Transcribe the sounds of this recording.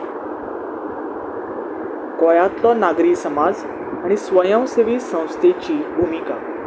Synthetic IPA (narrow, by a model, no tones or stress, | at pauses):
kɔjat̪lɔnaɡɾiːsəmad͡z | aɽ̃isʋəjə̃w̃seʋiːsə̃w̃st̪ʰet͡ɕiːbʱumika